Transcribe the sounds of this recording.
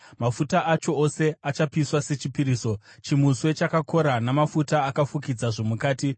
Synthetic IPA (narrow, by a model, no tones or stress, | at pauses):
mafutaʔat͡ʃo̞ːse̞at͡ʃapiswase̞t͡ʃipiɾiːso̞t͡ʃimuswe̞t͡ʃakako̞ɾanamafutaːkafukid͡zaʐo̞mukaːti